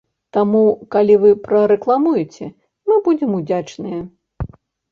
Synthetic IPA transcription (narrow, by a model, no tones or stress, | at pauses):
t̪amukalʲivɨpɾɐɾɛklˠamujut͡sʲɛ | mɨbud͡zʲɛmud͡zʲat͡ʂnɨjɐ